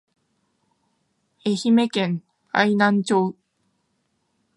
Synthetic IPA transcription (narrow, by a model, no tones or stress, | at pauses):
eçime̞kẽŋ | a̰inãɲt͡ɕoː